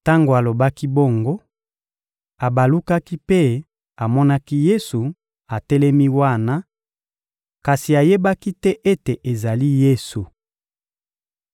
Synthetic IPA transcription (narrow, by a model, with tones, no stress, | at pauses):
ta˦ŋɡo˨a˨lo˨ba˦ki˦bo˦˨ŋɡo˦ | a˨ba˨lu˦ka˦ki˦pe˦ | a˨mɔ˦na˦ki˦je˦su˨ | a˨tɛ˦lɛ˦mi˦wa˦na˦ | ka˨si˨a˨je˦ba˦ki˦tɛ˦ʔe˦te˨ʔe˨za˨li˦je˦su˨